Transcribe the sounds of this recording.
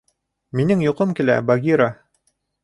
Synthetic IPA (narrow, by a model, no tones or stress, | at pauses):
minɘŋjuqɤmkilæ̰baɡʲiɾa